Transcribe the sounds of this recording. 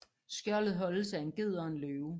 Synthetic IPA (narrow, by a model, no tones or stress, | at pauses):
sɡ̥jɶɐ̰lð̞̩ˠɦɒ̽ləsæe̝nɡ̥e̝ð̞̰ˠɐːnløːʊ